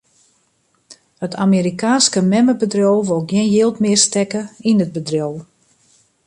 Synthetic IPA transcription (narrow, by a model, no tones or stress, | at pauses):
hətʰamiɾikaːnskəmɛməbədrjowʋolˠɡjɪnjɪːlˠtmɪərstɛkəinəd̚bədrjow